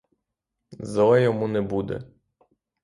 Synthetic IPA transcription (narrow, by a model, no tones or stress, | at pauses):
zɔlɛjɔmunɛbud̪ɛ̰